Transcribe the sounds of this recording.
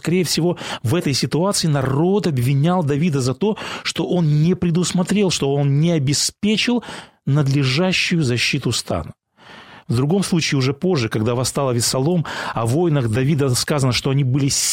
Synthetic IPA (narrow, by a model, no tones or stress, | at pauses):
kɐɾʲejəfsʲɪvo̞vɛt̪əjsʲɪt̪ʊat̪sɨɪnɐɾo̞t̪ɐbvʲɪnʲalˠd̪ɐvʲid̪əzɐt̪o̞ʂt̪o̞ʔo̞nnʲɪpɾʲɪd̪ʊsmɐt̪ɾʲe̞lˠʂt̪oo̞nnʲɪɐbʲɪspʲet͡ɕɪlˠ | nəd̪lʲɪʐaɕːʊjʊzɐɕːit̪ʊst̪a̰nə | vd̪ɾʊɡo̞mslˠut͡ɕɪːʊʐɛpo̞ʐːɨkɐɡd̪avɐst̪alˠəvʲɪsɐlˠo̞mɐvo̞jnəɣd̪ɐvʲid̪əskazənəʂt̪o̞ɐnʲibɨlʲɪsʲ